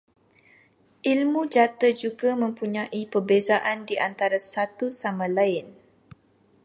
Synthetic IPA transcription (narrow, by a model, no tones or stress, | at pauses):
ʔilmũd͡ʒat̪əd͡ʒuɡamə̃mpuɲãʔipərbezaʔandiʔant̪aɾasat̪usamãlaɪn